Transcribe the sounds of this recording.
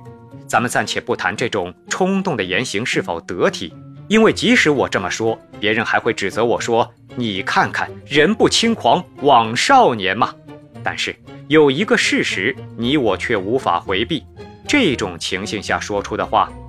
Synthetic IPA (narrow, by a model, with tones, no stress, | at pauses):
t͡sa˧˥mə˨nt͡sa˥˩nt͡ɕʰjɛ˨˩pu˥˩t̪ʰa˧˥nʈ͡ʂɤ˥˩ʈ͡ʂʊ˨˩ŋʈ͡ʂʰʊ˥ŋt̪ʊ˥˩ŋd̪ə˩jɛ˧˥nɕi˧˥ŋʂɻ̩˥˩fo˨˩ʊt̪ɤ˧˥t̪ʰḭ˨˩˦i˥nwe˥˩ɪt͡ɕi˧˥ʂɻ̩˧˥wɔ˨˩ʈ͡ʂɤ˥˩mə˩ʂwɔ˥pjɛ˧˥ɻə˧˥nxa˧˥ɪxwe˥˩ɪʈ͡ʂɻ̩˨˩t͡sɤ˧˥wɔ˨˩ʂwɔ˥ | ni˨˩kʰa˥˩nkʰa˥˩nɻə˧˥npu˥˩t͡ɕʰi˥ŋkʰwɑ˧˥ŋwɑ˨˩ŋʂɑ˥˩ʊnjɛ˧˥nmɐ˨t̪a˥˧nʂɻ̩˥˩jo˨˩ʊi˧˥ɡə˧ʂɻ̩˥˩ʂɻ̩˧˥ni˧˥wɔ˨˩t͡ɕʰɥɛ˥˩u˧˥fa̰˨˩xwe˧˥ɪpi˥˩ | ʈ͡ʂɤ˥˩˥ʈ͡ʂʊ˨˩ŋt͡ɕʰi˧˥ŋɕi˥˧ŋɕja̰˥˩ʂwɔ˥ʈ͡ʂʰu˥d̪ə˨xwa̰˥˩